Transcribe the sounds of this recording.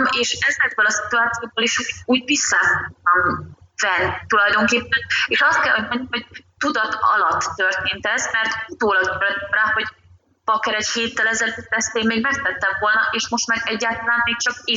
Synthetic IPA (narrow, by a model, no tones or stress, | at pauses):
meːʃɛzɛɡ̚bølɒsi̥t̪uaːt̪sijoːɡ̚boliʃuuːɟvisːafok̚t̪ɒmv̥ɛnːit̪ulɒjd̪o̞ŋkeːpːɛneːʃɒst̪̚kɛlhoɟmɛɲːymɦo̞ɟ̥̚t̪ud̪ɒt̪ɒ̰lɒt̪ːørt̪eːnt̪ɛzmɛrt̪ut̪oːlɒɡ̪ɛɾɛd̪ɛmraːho̞ɟ | pɒkɛɾɛcheːt̪ːɛlɛzɛløt̪tɛst̪eːmmeːɡmɛkt̪ɛt̪ːɛɱvo̞lnɒʔeːʃmo̞ʃt̪maːɾɛɟːaːlt̪ɒlaːnmeːk̚t͡ʃɒkeː